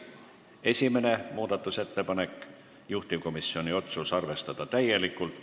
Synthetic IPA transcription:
e̞sʲime̞ne̞muːd̪̥ɑt̪ːˑuse̞t̪ːe̞pɑne̞kːˑ | juht̪iko̞misːio̞nʲio̞t̪susɑrve̞st̪ɑd̪̥ɑt̪æje̞likːult̪

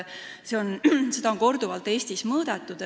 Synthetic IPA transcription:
se̞o̞nse̞d̪ɑo̞nko̞rd̪̥uvɑlt̪ːˑe̞ːsʲt̪ismɤːd̪̥et̪ːˑud̪

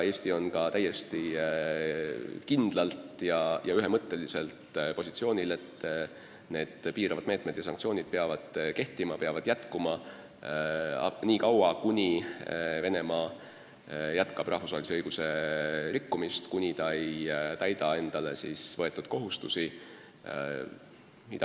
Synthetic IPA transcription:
e̞ːsʲt̪io̞nkɑt̪æjːe̞st̪i | kind̪̥lɑlt̪jɑjɑyɦemɤt̪ːe̞lise̞lt̪po̞sit̪sio̞ːnʲile̞t̪ː | ne̞ːd̪̥piːɾɑvɑd̪me̞ːt̪ˑme̞d̪̥jɑsɑŋkt̪sio̞ːnʲid̪̥̚peɑvɑd̪̥ke̞ht̪imɑpeɑvɑd̪̥jæt̪kumɑ | ɑ̰niːkɑwɑkunʲive̞ne̞mɑː | jæt̪kɑb̥rʔɑhfusvɑːeliseɤjɡ̥use̞ɾikːumist̪kunʲit̪ɑjt̪æjd̪ɑe̞nd̪̥ɑle̞̰siːsvɤ̞e̞t̪ːˑud̪̥ko̞ɦust̪usi | mid̪ɑ

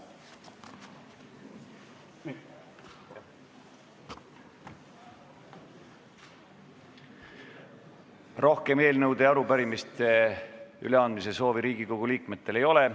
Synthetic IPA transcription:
ro̞hke̞me̞ːlnɤwd̪e̞ɑɾupæɾimist̪e | y̰le̞ɑnd̪̚mis̬e̞so̞ːviɾiːɡ̥iko̞ɡ̥uliːkme̞t̪ˑːe̞le̞jo̞le̞

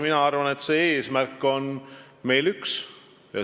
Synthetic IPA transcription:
minɑɑrvɑne̞t̪se̞ːeːsmærkːˑo̞n | me̞jlyks | jɑ̰

